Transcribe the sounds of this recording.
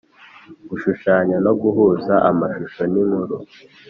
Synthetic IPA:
ɡuʃuʃaːɲano̞ɡuɦuzaʔamaʃuʃoniŋhuɾu

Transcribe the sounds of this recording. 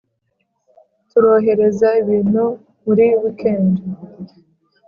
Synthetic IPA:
tuɾo̞ːɦe̞ɾe̞zaiβiːno | muɾiβikʰeːndo

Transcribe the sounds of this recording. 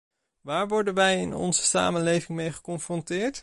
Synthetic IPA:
ʋaːɹʋɔɹdənʋɛjɪ̰nɔ̰nzəsa̰ːmənlejvɪŋmejχə̥kɔnfrɔntɪːɹt

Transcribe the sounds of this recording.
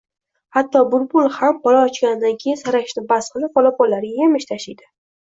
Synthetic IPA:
hat̪ʰːɒbʊɾbʊlˠhap̚bɒlaːt͡ʃkʲanɪd̪ankʲʰejɪnsaɾaɪʃnɪbasqʰɨlˠɪp̚bɒlˠap̚bɒlːaɾɪɡʲjemɪʃt̪ʰaʃɪjd̪ɪ

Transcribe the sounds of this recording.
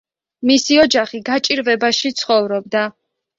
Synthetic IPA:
misiɔd͡ʒaχiɡat͡ʃʼiɾvɛbaʃit̪sʰχɔvɾɔb̚d̪a

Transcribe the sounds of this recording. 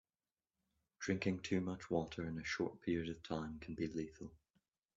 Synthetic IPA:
d̥ɹɪ̃ŋkɪ̃ŋtʰʉːmʌt͡ʃwɔʔə˞ɪ̃nəʃɔɹʔpʰɪɹiəɾəv̥tʰãɪ̃mkʰə̃n̩biliθəlˠ

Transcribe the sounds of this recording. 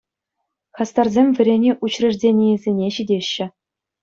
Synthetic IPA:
χɑst̪ɑrzʲemʲvʲɘ̆ɾʲenʲeʔut͡ɕrʲɘ̆ʐdʲenʲijĕzʲenʲeɕidʲeɕːɘ̆

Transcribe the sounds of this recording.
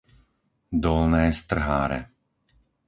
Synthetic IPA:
d̪ɔlnɛːst̪r̩ɦaːɾɛ̰

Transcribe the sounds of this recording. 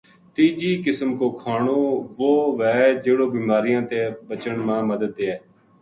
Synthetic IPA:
t̪iːd͡ʒiːkɪsəmkoːkʰaːɳoːʋoːʋɛːd͡ʒeːɽoːbiːmaːɾɪjãːt̪eːbət͡ʃəɳmãːməd̪əd̪̚ːeːɛː

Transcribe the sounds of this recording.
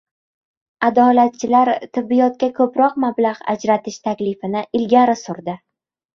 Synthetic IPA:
ad̪ɒlat̪̚t͡ʃʰɪlaɾt̪ʰɪbːijɒt̪̚kʲakʰɵpɾɒqmablaʁa̰d͡ʒɾat̪ʰɪʃt̪ʰakʲlɪfɪnɪɪlɡʲaɾɪsʊɾd̪ɪ

